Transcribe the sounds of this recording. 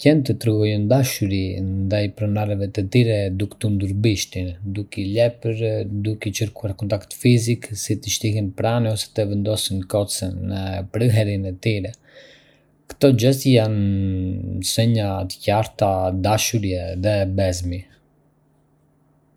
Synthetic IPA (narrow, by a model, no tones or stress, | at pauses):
cɛnt̪ət̪ɾəɡɔjnd̪aʃuɾind̪ajpɾɔnaɾɛvɛt̪ət̪iɾɛd̪ukt̪und̪uɾbiʃt̪ind̪ukɛlɛpəɾd̪ukɛt͡ʃəɾkuaɾkɔnt̪akt̪fiziksit̪əʃt̪iɦɛnpɾaniɔsɛ̥t̪əvɛnd̪ɔsinkɔt͡sənːəpɾəɦɛɾinɛt̪iɾɛ | kə̥t̪ɔd͡ʒɛsjan | sɛɲat̪ə̥caɾt̪ad̪aʃuɾjɛðɛbɛzmi